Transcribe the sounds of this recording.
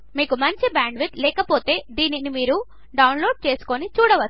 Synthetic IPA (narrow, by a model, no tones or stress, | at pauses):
miːkumɐɲt͡ʃibaːɳɖʋit̪lɛːkɐpo̞ːt̪e̞ːd̪iːninimiːɾu | ɖɐwnloːɖ̚t͡ʃe̞ːsu̥konit͡ʃuːɽɐʋɐ